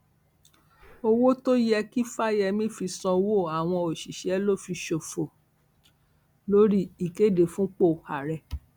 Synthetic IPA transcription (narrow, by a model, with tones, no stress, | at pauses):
o˧wo˦to˦jɛ˧ki˦fa˦jɛ˧mĩ˦fi˧sɔ̃˧wo˦˨a˨w̃ɔ̃˧o˨ʃi˨ʃɛ˨˦lo˦˨fi˧ʃo˨fo˨ | lo˦ɾi˦i˨ke˦˨de˨fũ˦k͡po˦˨ha˨ɾɛ˨